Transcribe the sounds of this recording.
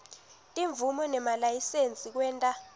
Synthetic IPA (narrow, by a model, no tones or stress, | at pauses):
tʼiɱb̪vʱumɔnɛmalajisent͡sʼik̬wɛːntʼa